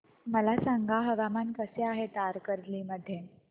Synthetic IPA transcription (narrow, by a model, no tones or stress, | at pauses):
məlasaŋɡʱaɦəʋamankəseaɦet̪aɾkəɾliməd̪ʱje